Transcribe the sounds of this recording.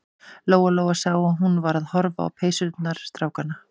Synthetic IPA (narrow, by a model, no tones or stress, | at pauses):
loːwaloːwasawaðɦunvaɾaðhɔɾva̰ːwpʰeːjsʏt̪naɾ̥st̪ɾaːwkana